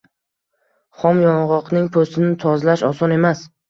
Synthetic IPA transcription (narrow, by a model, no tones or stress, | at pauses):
χɒmjɒɴʁɒqnɪŋpʰost̪ɪnɪt̪ʰɒzlaʃɒsɒne̞mas